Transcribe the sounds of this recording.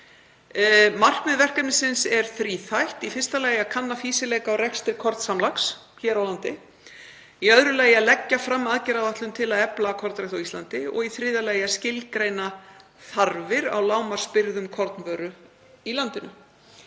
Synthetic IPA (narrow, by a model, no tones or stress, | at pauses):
mar̥kmɛðvɛr̥kɛpnɪsɪnsɛɾ̥θɾiːθajht̪ifɪr̥st̪alaːjakʰanːafiːsɪlɛːkaɔwɾɛkst̪ɪɾ̥kʰɔɾt̪samlaks | çɛːɾawlant̪ɪ | iœðɾʏlaːjalɛcːafɾamːaðcɛɾavaht̪lʏmt̪ʰɪlaðɛplaːkʰɔɾt̪ɾɛjht̪awist̪lant̪ɪɔ̰ɣiθɾɪːðalɛːjascɪlkɾejna | θaɾvɪɾa̰wlaːwmar̥spɪɾðʏmkʰɔɾt̪nvœːɾʏ | ilant̪ɪnʏ